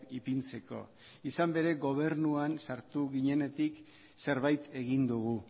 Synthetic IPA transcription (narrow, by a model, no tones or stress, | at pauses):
ipint͡se̞ko̞̰ | isambe̞ɾe̞ɣo̞β̞e̞ɾnuansaɾt̪uɣiɲe̞ne̞t̪ik | se̞ɾβajt̪e̞ɣind̪uɣ̞u